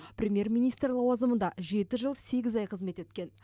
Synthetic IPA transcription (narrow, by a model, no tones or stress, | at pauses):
prʲe̞mʲje̞rmʲijnijst̪ɾlˠɑwɑzəmənd̪ɑʒe̞t̪ɪʒəlˠse̞ɡʲɪzɑjqʰəzme̞t̪e̞t̪kʲe̞n